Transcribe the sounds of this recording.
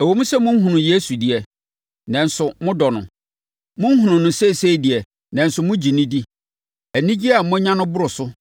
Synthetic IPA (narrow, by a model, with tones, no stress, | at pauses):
æ˨wo˨mũ˦sɛ˦mʊ̃˦ɦũ˨nʊ̃˨je˦su˨di˨ɛ˨ | nɛ̃˨n̩˨sʊ˨mʊ̃˦dɔ˨nʊ̰̃˨ | mʊ̃˦n̩˦hũ˨nʊ̃˨nʊ̃˨se˦˨se˦˨di˨ɛ˨ | nɛ̃˨n̩˨sʊ˨mʊ̃˦d͡ʑi˨nĩ˦di˦ | æ˨nĩ˦d͡ʑi˦a˨mʊ̃˦ɲã˦nʊ̃˦bʊ˦ɾʊ˨sʊ˦